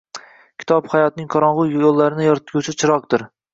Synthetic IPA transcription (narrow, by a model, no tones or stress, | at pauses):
kʲʰɪ̥t̪ʰɒphajɒt̪̚nɪŋqʰɒɾɒɴʁʊjolˠːaɾɪnɪjɒɾt̪ɡʲat͡ʃʰɪt͡ʃʰɪɾɒq̚d̪ɪɾ